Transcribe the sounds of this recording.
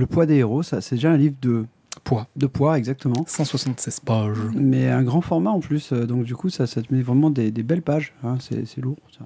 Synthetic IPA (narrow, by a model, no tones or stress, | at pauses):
ləpwad̪eeʁosasɛd̪eʒaɛ̃livʁd̪ə | pwad̪əpwaɛɡzak̚t̪əmɑ̃sɑ̃swasɑ̃t̪sɛz̥paʒmɛɛ̃ɡʁɑ̃fɔʁmaɑ̃plysød̪ɔ̃kd̪ykusasad̪əmɛvʁɛmɑ̃d̪ed̪ebɛlpaʒɛ̃sɛ̰sɛluʁsa